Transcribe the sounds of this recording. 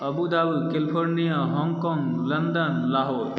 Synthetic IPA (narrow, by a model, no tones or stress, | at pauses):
əbud̪abukelpʰoɾnijaɦɔŋkɔ̃ŋ | lɐnd̪ənlaɦol